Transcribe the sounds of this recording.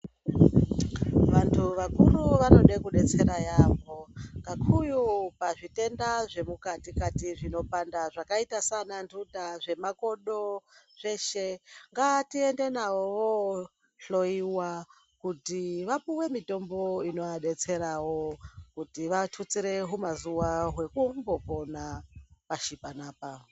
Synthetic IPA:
ʋantʰuʋakuruʋano̞ɗekuɗe̞t͡se̞ɾajao̞ŋɡakʰujupaʐite̞ndaʐe̞mukatikatiʐino̞pandaʐakaitasanandudaʐe̞mako̞ɗo̞ | ʐe̞ʃe̞ŋɡatie̞nde̞naoʋo | ɬo̞jiwa | kutiʋapuwe̞mito̞mbo̞ino̞jaɗe̞t͡se̞ɾawo̞kutiʋatʰut͡siɾe̞ɦumazuwaɦwe̞kumbo̞po̞napaʃipanaːpa

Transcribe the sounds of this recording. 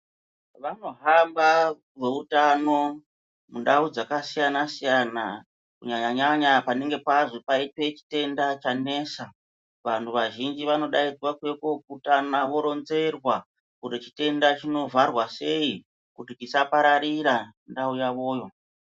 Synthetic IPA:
ʋano̞ɦamba | ʐe̞utano̞ | mundaud͡zakasijanasijana | kuɲaɲaɲaɲapane̞ŋɡe̞paʐopaipe̞t͡ʃi̥te̞ndat͡ʃane̞sa | ʋantʰuʋaʒind͡ʒiʋano̞ɗaid͡zwakwe̞ko̞kːtanawo̞ɾo̞nze̞rwa | kuɾet͡ʃi̥te̞ndat͡ʃino̞vʱarwase̞i | kutikisapaɾaɾiɾandaujaʋo̞ːjo̞

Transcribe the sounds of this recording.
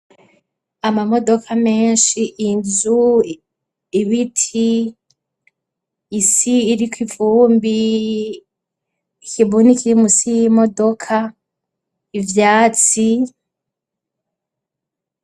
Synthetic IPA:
amamo̞do̞kʰame̞ːnʃiʔːnzu | iβitʰi | siːɾikivuːmbi | kʰiβunikiɾimusijimo̞do̞kʰa | ivjaːt͡si

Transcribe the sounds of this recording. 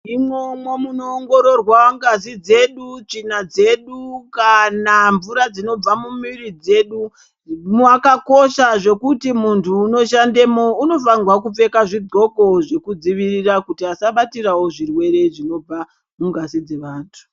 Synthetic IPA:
imomwo̞munoːŋɡo̞ɾo̞rwaŋɡas̬id͡ze̞ɗut͡ʂinad͡ze̞ɗukanaɱvuɾad͡zino̞b͡vamumirid͡ze̞ːɗu | muakako̞ʃaʐe̞kutimuntʰuːno̞ʃande̞mo̞uno̞faŋɡwakup͡fe̞kaʐido̞ko̞ʐe̞kud͡ziʋirirakutiasaɓatirawo̞ʐirwe̞ɾe̞ʐino̞b͡va | muŋɡasid͡ze̞ʋaːntʰu̥

